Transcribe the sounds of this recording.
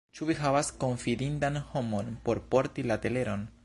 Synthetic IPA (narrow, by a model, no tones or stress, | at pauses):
t͡ʃuviɦavasko̞ɱfidindanho̞mo̞npo̞ɾpo̞ɾtilate̞le̞ɾo̞n